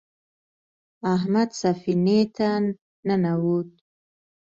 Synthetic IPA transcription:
aɦmad̪safinet̪ʰan | nanawut̪̚

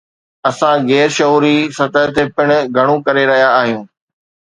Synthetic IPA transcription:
ɐsãɣɛːɾʃɐɦuːɾisɐt̪əɦt̪ʰepɪɽ̃ʊ̆ɡʱɐɽ̃ũkɐɾeɾɐɦijaːɦijũː

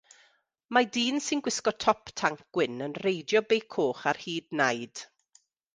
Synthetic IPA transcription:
madiːnsɪnɡwɪskɔtʰɔptʰaŋk̚wɪnənrejdjɔbejkʰoːχarhiːdnajd̥

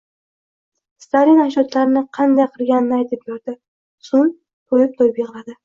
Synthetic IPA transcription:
st̪alinaʃɒt̪laɾɪnɪqʰɑnd̪ajqʰɨɾɡʲanɪnɪajt̪ʰɪp̚joɾd̪ɪ | sʊn | t̪ʰojɪp̚t̪ʰojbeʁlad̪ɪ

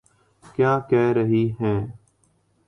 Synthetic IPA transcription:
kjaːkɛːɾəɦiːɦɛ̃ː

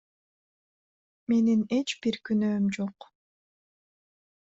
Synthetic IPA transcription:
me̞nine̞t͡ʃbiɾkynøːmd͡ʒoq

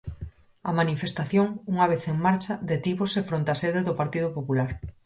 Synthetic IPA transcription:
ɐmanifest̪aθjoŋuŋaβ̞eθeŋmaɾt͡ʃɐðet̪iβʊsefɾont̪aseðeðʊpaɾt̪iðʊpopulaɾ

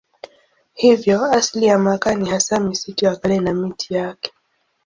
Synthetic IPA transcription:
hivjɔaslijamakanihasamisitiakalɛnamitʰijakɛ̥

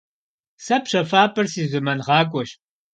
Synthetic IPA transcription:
sɐpɕɐfaːpʰʼɨrsiːzɨmɐnʁɑːkʷʼɔɕ

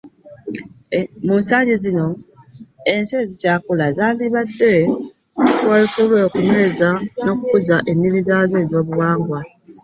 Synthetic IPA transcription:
munsaːɲɟezino̞ | ensezicaːkulazaːndiβadːe̞ | twalikulweːkunwe̞ːzano̞ːkukuzaʔe̞nːiβizaːzeːzo̞ːβuwaːŋɡwa

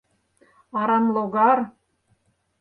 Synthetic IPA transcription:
ɑɾɑnlˠoɣɑr

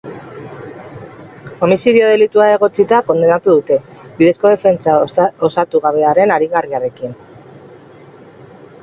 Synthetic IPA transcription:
ko̞misiɾio̞ð̞e̞lit̪uae̞ɣ̞o̞t͡sit̪ako̞nd̪enat̪uðut̪e̞biðe̞sko̞ð̞e̞fe̞nt͡sao̞sat̪uɣaβ̞e̞aɾe̞naɾiɣariaɾe̞kin

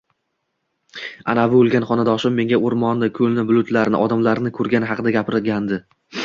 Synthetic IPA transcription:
a̰navɪolˠɡʲanχɒnad̪ɒʃɪmːe̞ŋɡʲaoɾmɒnd̪ɪkʲʰɵlnɪbʊlʊt̪ʰlaɾnɪ̰ʔɒd̪amlaɾnɪkʰɵɾɡʲanɪɦɑqʰɨd̪aɡʲapɪɾɪɡʲand̪ɪ

